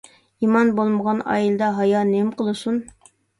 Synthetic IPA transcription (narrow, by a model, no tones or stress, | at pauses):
imɑnbolˠməʁɑnɑ̰ːilˠɨd̪ɑɦɑjɑnɪmqəlˠɨsun